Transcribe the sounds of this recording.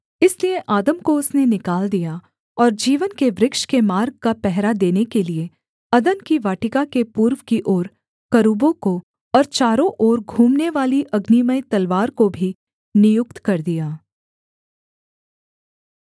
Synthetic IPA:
ɪsliẽʔaːd̪əmkoʊsnenɪkaːld̪ija | ɔːɾd͡ʒiːʋənkeʋɾɪkʃkemaːɾɡ̚kapɛɦɾad̪eːnekelie | ɐd̪ənkiʋaːʈɪkakepuːɾʋkiʔɔːɾ | kɐɾuːbõko | ɔːɾt͡ʃaːɾõʔɔːɾɡʱũːmneʋaːliʔɐɡniməjt̪ɐlʋaːɾkobʱi | nɪjʊkt̪kɐɾd̪ijaː

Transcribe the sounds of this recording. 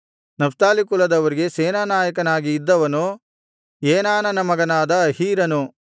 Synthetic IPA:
nɐfʰt̪aːlikulɐd̪ɐʋɐɾiɡe̞seːnaːnaːjɐkɐnaːɡiːd̪ːɐʋɐnu | eːnaːnɐnɐmɐɡɐnaːd̪ɐːhiːɾɐnu

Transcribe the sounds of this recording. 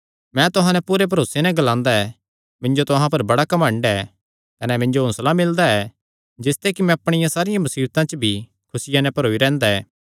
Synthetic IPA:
mɛ̃t̪ʊɦãnɛpuːɾep̬ɐɾoːsenɛɡɐlãːnd̪aɛ | mɪ̃nd͡ʒot̪ʊɦãp̬ɐɾbɐɽakɐmə̃ɳɖɛ | kɐnɛmɪ̃nd͡ʒoɦʊ̃slamɪld̪aɛ | d͡ʒɪst̪ɛkimɛ̃ɐpɽ̃ɪjãsaːɾɪjãmɐsiːbt̪ãt͡ʃəbʱi | kʰʊsɪjanɛ̃pɐɾoːiɾɛ̃ːnd̪aɛː

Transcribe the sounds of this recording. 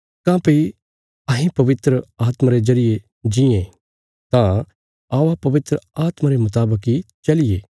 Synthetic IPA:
kãːpɐi | ɐɦĩpɐʋɪt̪ɾəaːt̪mãɾezɐɾɪje | d͡ʒĩẽ | t̪ã | aːʋapɐʋɪt̪ɾəaːt̪maɾemʊt̪aːbəkit͡ʃɐlɪje

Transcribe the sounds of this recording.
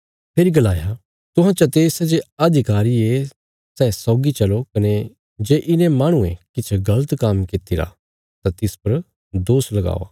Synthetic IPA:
pʰeːɾiɡɐlaːja | t̪ʊɦãt͡ʃɐt̪eːsed͡ʒeɐd̪ʱɪkaːɾie | sɛːsɔːɡit͡ʃɐlokɐne | d͡ʒeːʔɪnẽmaːɽ̃uḛ̃kɪt͡ʃʰɡɐlət̪kamkɪt̪iɾa̰ | t̪ãt̪ɪspɐɾ | d̪oːslɐɡa̰ːoa̰ː

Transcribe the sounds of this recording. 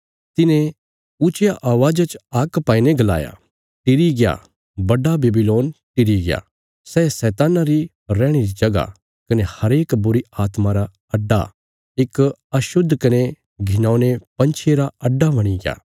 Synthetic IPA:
t̪ɪnẽ | ʊt͡ʃjaʔaːʋaːd͡ʒat͡ʃaːkpaːineɡɐla̰ːja̰ | ʈɪɾiɡɪja̰ | bɐɖabeːbiloːnʈɪɾiɡɪja̰ | sɛːsɛːt̪aːnaɾi | ɾɛːɽ̃iɾid͡ʒɐɡa̰ | kɐnehɐɾeːkbʊɾiaːt̪mãɾa | ɐɖːa̰ | ɪkɐʃʊd̪ʱːkɐne | ɡʱɪnãːnepɐ̃nt͡ʃʰeɾaɐɖːaʋɐɽ̃iɡɪja̰ː

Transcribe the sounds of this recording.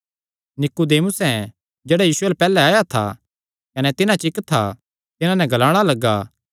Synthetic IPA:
nɪkud̪eːmʊsɛ̃ | d͡ʒeːɽajiːsʊɛlɛpɛːlɛaːjat̪ʰa̰ | kɐnɛt̪ɪnãt͡ʃɪkt̪ʰːa̰ | t̪ɪnãnɛ̃ɡʱɐlaːɽ̃alɐɡːaː

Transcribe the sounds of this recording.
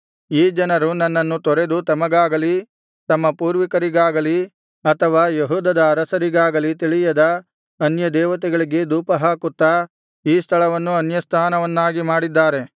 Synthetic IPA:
iːd͡ʒɐnɐɾunɐnːɐnːut̪ɔɾe̞d̪ut̪ɐmɐɡaːɡɐli | t̪ɐmːɐpuːɾʋikɐɾiɡaːɡɐli | ɐt̪ʰɐʋaːjeɦuːd̪ɐd̪ɐːɾɐsɐɾiɡaːɡɐlit̪̬iɭijɐd̪ɐ | ɐnjɐd̪ɛːʋɐt̪̬ɛɡɐɭiɡe̞d̪uːpɐɦaːkut̪ːɐ | iːst̪ʰɐɭɐʋɐnːuɐnjɐst̪ʰaːnɐʋɐnːaːɡimaːɽid̪ːaːɾe̞

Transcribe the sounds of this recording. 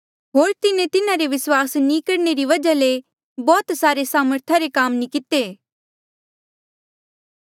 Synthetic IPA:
ɦoːɾt̪ɪnẽt̪ɪnãɾeʋɪswaːsnĩkɐɽneɾiʋɐd͡ʒale | bɔːt̪saːɾesaːməɾt̪ʰaɾekaːmnikɪt̪eː

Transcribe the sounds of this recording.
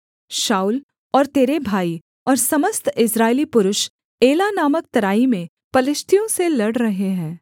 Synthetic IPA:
ʃaːuːl | ɔːɾt̪eːɾebʱaːi | ɔːɾsɐməst̪ʰɪsɾaːelipʊɾʊʃ | eːlanaːmək̚t̪ɐɾaːimẽ | pɐlɪʃt̪ʰijõselɐɽɾɐɦeɦɛ̃ː

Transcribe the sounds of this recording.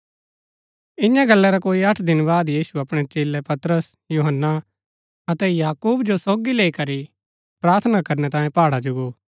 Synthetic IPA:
ɪ̃njãɡɐlːɛɾakoːiɐʈʰd̪ɪnbaːd̪jiːsuɐpɽ̃ɛt͡ʃeːlːɛpɐt̪ɾəs | juːɦənːa | ɐt̪ɛjaːkuːbd͡ʒosoːɡileːikɐɾi | pɾaːɾt̪ʰnakɐɾnɛt̪ãːjẽpaːɽad͡ʒʊɡoː

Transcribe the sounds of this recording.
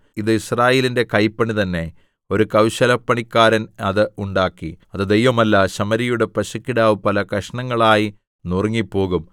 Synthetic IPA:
iðɨisraːje̞ːlinde̞kɐjpːɐɳit̪ɐnːe̞ | o̞ɾukɐwɕɐlɐpːɐɳikːaːɾɐnɐðɨuɳɖaːkːiɐðɨd̪ejʋɐmɐlːɐɕɐmɐɾijuɽe̞pɐɕɐkːiɽaːʋupɐlɐkɐʂɐɳɐŋːɐɭaːji | nurŋːipːo̞ːɣum

